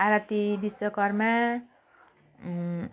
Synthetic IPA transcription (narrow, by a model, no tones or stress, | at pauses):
aɾat̪ibiswʌkʌɾma